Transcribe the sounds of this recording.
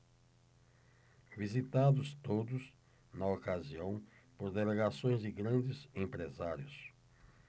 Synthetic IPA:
vizit̪ad̪ʊst̪od̪ʊs | nɐokaziɐ̃w̃ | poɾd̪eleɡasõj̃zd͡ʒɪɡɾɐ̃d͡ʒɪzẽpɾezaɾjʊs

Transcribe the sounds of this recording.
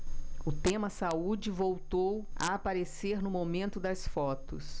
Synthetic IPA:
ʊt̪ẽmɐsaud͡ʒɪvowt̪owɐ̰apaɾeseɾnʊmomẽnt̪ʊd̪ɐsfɔt̪ʊ̰s

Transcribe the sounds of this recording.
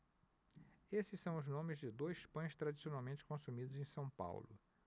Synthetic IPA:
esɪssɐ̃w̃ʊznõmɪzd͡ʒɪd̪ojspɐ̃j̃st̪ɾad͡ʒisionawmẽnt͡ʃɪ̥kõsumid̪ʊzẽj̃sɐ̃w̃pa̰wlʊ̰

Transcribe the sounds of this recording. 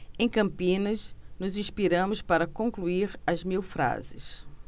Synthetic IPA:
ẽj̃kɐ̃mpĩnɐsnʊzĩʃpiɾɐ̃mʊspaɾɐkõŋkluiɾɐzmiwfɾa̰zɪs

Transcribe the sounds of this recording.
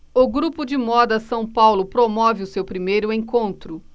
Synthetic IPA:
ʊɡɾupʊd͡ʒɪmɔd̪ɐsɐ̃w̃pawlʊpɾomɔvɪʊsewpɾimejɾʊẽkõnt̪ɾʊ

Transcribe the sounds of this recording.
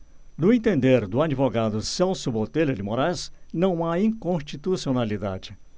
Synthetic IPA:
d̪ʊẽt̪ẽnd̪eɾd̪ʊad͡ʒivoɡad̪ʊsɛwsʊbot̪elʊd͡ʒɪmoɾajsnɐ̃w̃aĩkõst͡ʃit̪usionalid̪a̰d͡ʒɪ

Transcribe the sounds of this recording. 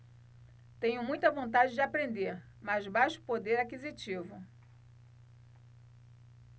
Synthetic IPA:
t̪ẽɲʊmũj̃t̪ɐvõnt̪ad͡ʒɪd͡ʒɪapɾẽnd̪eɾ | mazbajʃʊ̥pod̪eɾakizit͡ʃivʊ

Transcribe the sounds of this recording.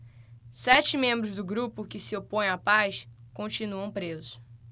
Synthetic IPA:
sɛt͡ʃɪmẽmbɾʊzd̪ʊɡɾupʊkɪsɪopõj̃apajskõnt͡ʃinuɐ̃w̃pɾezʊ

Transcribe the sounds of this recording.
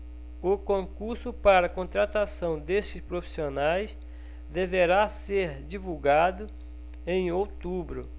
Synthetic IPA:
ʊkõkuɾsʊpaɾɐkõt̪ɾat̪asɐ̃w̃d̪eʃt͡ʃɪspɾofi̥sionajs | d̪eveɾaseɾd͡ʒivuwɡad̪ʊ | ẽj̃owt̪ubɾʊ

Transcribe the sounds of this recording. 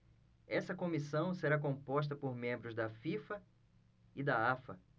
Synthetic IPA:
ɛsɐkõmisɐ̃w̃seɾak̬õpɔʃ̬t̪ɐpoɾmẽmbɾʊzd̪ɐfifɐ | ɪd̪ɐafɐ

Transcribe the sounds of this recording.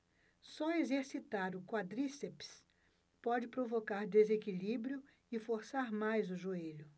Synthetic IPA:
sɔezeɾsit̪aɾʊkwad̪ɾiseps | pɔd͡ʒɪpɾovokaɾd̪ezekilibɾijʊ | ɪfoɾsaɾmajzʊʒueʎʊ

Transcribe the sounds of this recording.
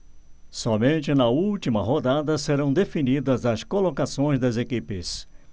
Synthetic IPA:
sɔmẽnt͡ʃɪnɐuwt͡ʃimɐɦod̪ad̪ɐseɾɐ̃w̃d̪efinid̪ɐzɐskolokasõj̃zd̪ɐzekipɪs

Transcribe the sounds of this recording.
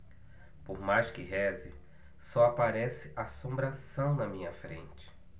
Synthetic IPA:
poɾmajskɪɦɛzɪ | sɔapaɾɛsɪʔasõmbɾasɐ̃w̃nɐmĩɲɐfɾḛ̃nt͡ʃɪ̥

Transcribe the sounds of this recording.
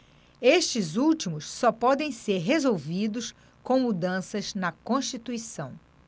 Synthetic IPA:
eʃt͡ʃɪzuwt͡ʃimʊsːɔpɔd̪ẽj̃seɾɦezowvid̪ʊs | kõw̃mud̪ɐ̃sɐznɐkõʃt͡ʃit̪uisɐ̃w̃

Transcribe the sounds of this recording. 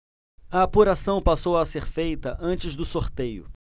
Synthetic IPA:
ɐːpuɾasɐ̃w̃pasowɐseɾfejt̪ɐʔɐ̃nt͡ʃɪzd̪ʊsoɾt̪ejʊ̰

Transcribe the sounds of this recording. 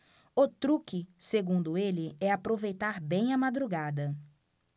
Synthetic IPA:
ot̪ɾukɪseɡũnd̪ʊelɪɛapɾovejt̪aɾbẽj̃ɐmad̪ɾuɡad̪ɐ

